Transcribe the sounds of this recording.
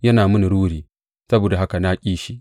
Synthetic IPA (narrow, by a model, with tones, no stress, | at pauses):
jɐ˦naː˨mʊ˦ni˨ɽuː˦ɽiː˨ | sɐ˦boː˨da˨ɦa˦ka˨naː˦kʲʼiː˦ʃi˦ʔ